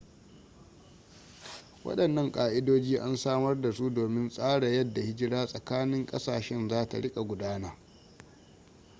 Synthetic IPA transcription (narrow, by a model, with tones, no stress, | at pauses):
wɐ̰˦ɗɐ˨nːɐ˦ŋkʼaː˨ʔɪ˦doː˦d͡ʒiː˦ʔa˦nsaː˦mɐ˦rda˨su˦doː˨mɪ˦nsʼaː˦ɽa˨jɐ˦dːa˨hɪ˦d͡ʒɪ˦ɽaː˦sʼɐ˨kaː˦nɪ˦ŋkʼɐ˦saː˨ʃɛ˦nzaː˦ta̰˨ɽɪ˦kʼa˨ɡʷʊ˨daː˦na˦